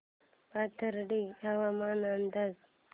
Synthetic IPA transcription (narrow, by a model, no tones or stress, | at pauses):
pat̪ʰəɾɖiawamaːnand̪az